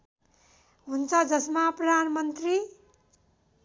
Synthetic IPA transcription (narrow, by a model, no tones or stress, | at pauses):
ɦunt͡sʰʌd͡zʌsmaprʌd̪ʱanʌmʌnt̪ri